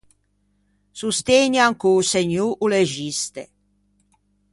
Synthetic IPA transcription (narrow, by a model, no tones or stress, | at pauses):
sust̪eɲaŋkuːseɲuʔuleʒist̪e